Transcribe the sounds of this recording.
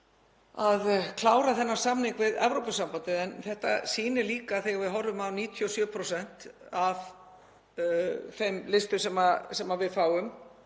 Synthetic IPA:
aðkʰlaːwɾaθɛnːḁsamnɪŋkvɪðɛ̰vɾowpʏsampant̪ɪðɛnθɛht̪a̰siːnɪliːkaθejɣavɪðɦɔrːʏmawniːt̪ʰjɔsjœːpʰɾosɛn̥t̪av | femlɪst̪ʏ̥sɛmasɛmavɪðfaːwʏm

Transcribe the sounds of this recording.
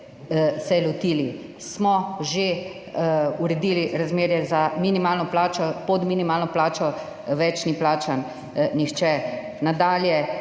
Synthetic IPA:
sɛlɔt̪iːli | smɔʒe | uɾɛd̪iːliɾazmeːɾjɛzaminimaːlnɔplaːt͡ʃɔpɔd̪minimaːlnɔplaːt͡ʃɔ | ʋɛt͡ʃniplaːt͡ʃan | nixt͡ʃɛ | nad̪aːljɛ

